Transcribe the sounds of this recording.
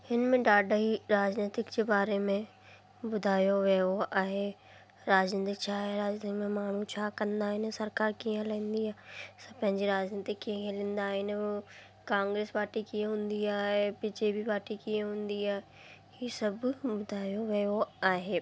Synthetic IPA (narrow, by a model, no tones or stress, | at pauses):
hɪnmẽɖaːɖɦiɾaːd͡ʒneːt̪ɪkd͡ʑeːbaːɾemẽ | bʊd̪ʱaːjoʋeoʔaːɦe | ɾaːd͡ʒneːt̪ɪkt͡ɕʰaːɦeɾaːd͡ʑt̪kmẽmaːɳ̤ũt͡ɕʰaːkɐ̃nd̪aːɦɪnsɐɾkaːɾkiːə̃lɐĩnd̪iaːsɐ̃pɐ̃ɦɪ̃ɲd͡ʑiɾaːd͡ʑneːt̪ɪkːeɦiẽlɪ̃nd̪aːɦɪn | kãːŋɡɾeːspaːɾʈikijə̃ɦʊ̃ːnd̪iaːɦepit͡ʃeːbipaːɾʈikiə̃ɦʊ̃ːnd̪iaːɦe | hiːsɐbbʊd̪ʱaːjoʋeoaːɦeː